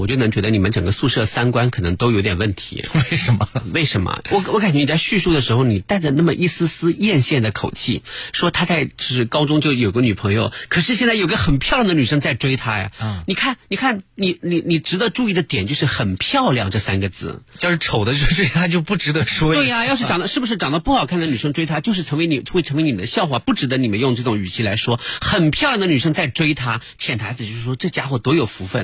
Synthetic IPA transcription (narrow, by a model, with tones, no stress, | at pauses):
wt͡ɕo˥˩nɤ˧˥ŋt͡ɕɥɛ˧˥d̪ə˧ni˨˩ə˦nʈ͡ʂɤ˨˩ŋɡə˦su˥˧ʂɤ˥˧˩sa˥nkwa˥nkʰɤ˨˩nɤ˧˥ŋt̪o˥ʊjo˧˥t̪jɛ˨˩wə˥˩nt̪ʰḭ˧˥we˥˩ɪʂə˧˥nmə˧we˥˩ɪʂə˧˥nmɐ̰˧wɔ˧˥wɔ˧˥ka˨˩t͡ɕɥɛ˥ni˨˩t͡sa˥˧ɪɕy˥˧ʂu˥˩d̪ə˩ʂɻ̩˧˥xo˧ʊni˨˩t̪a˥˧ɪt͡sa˥˧na˥˩mə˩ʔi˥˩sɹ̩˥sɹ̩˥jɛ˥˧nɕjɛ˥˩nd̪ə˩kʰo˨˩ʊt͡ɕʰḭ˥˩ʂwɔ˥t̪ʰa˥t͡sa˥˧ɪt͡ɕjo˥˧ʂɻ̩˥˩kɑ˥ʊʈ͡ʂʊ˥ŋt͡ɕjo˥˩ʊjo˨˩i˧ɡə˦ny˨˩pʰɤ˧˥ŋjo̰˧ʊkʰɤ˨˩ʂɻ̩˥˧ɕ̬jɛ˥˧nt͡sa˥˩ɪjo˨˩˧ɡə˧xə˨˩npʰjɑ˥˩ʊljɑ˥ŋd̪ə˧ny˨˩ʂɤ˥ŋt͡sa˥˩ɪʈ͡ʂwe˥ɪt̪ʰa˥ja̰˨˩ni˨˩kʰa˥˩nni˨˩kʰa˥˩nni˨˩ni˨˩ni˨˩ʈ͡ʂɻ̩˧˥d̪ə˧ʈ͡ʂu˥˧i˥˩d̪ə˩t̪jɛ˨˩nt͡ɕjo˥˧ʊʂɻ̩˥˩xə˨˩npʰjɑ˥˧ʊljɑ˥˧ŋʈ͡ʂɤ˥˩sa̰˥nɡə˨t͡sɹ̩̰˥˩t͡ɕjʊʂɻ̩˥˩ʈ͡ʂʰo˨˩ʊd̪ə˦˧˥ʈ͡ʂwe˥ɪt̪ʰa˥t͡ɕjo˥˧ʊpu˥˩ʈ͡ʂɻ̩˧˥d̪ə˧ʂwɔ˥t̪we˥˩ɪa˧jɑ˥˧ʂɻ̩˥˧˩ɑ˨˩d̪ə˦˥ʂɻ̩˥˩bu˩ʂ̬ɻ̩˥˩ʈ͡ʂɑ˨˩ŋd̪pu˥˩xɑ˨˩ʊkʰa˥˩nd̪ə˧˩ny˨˩ʂɤ˥ŋʈ͡ʂwe˥ɪt̪ʰa˥t͡ɕjo˥˧ʂɻ̩˥˩ʈ͡ʂʰɤ˧˥ŋwe˧˥ɪni˨˩˥xe˥˧ɪʈ͡ʂʰɤ˧˥we˧˥ɪni˨˩d̪ə˦ɕjɑ˥˧ʊxwa˥˩pu˥˩ʈ͡ʂɻ̩˧˥d̪ə˧˦ni˨˩mə˦njʊ˥˧ŋʈ͡ʂɤ˥˩ʈ͡ʂʊ˧˥ŋy˨˩t͡ɕʰi˥la̰˧˥ɪʂwɔ˥xə˨˩npʰjɑ˥ʊljɑ˥˩ŋd̪ə˧ny˨˩ʂ̬ɤ˥ŋt͡sa˥˩ɪʈ͡ʂwe˥ɪt̪ʰa˥t͡ɕʰjɛ˨˩nt̪ʰa˧˥ɪt͡sɹ̩˨˧t͡ɕjo˥˧ʂɻ̩˥˩ʂwɔ˥ʈ͡ʂɤ˥˩t͡ɕja˥xwɔ˥˩t̪wɔ˧˥jo˨˩ʊfu˧˥fə̰˥˩n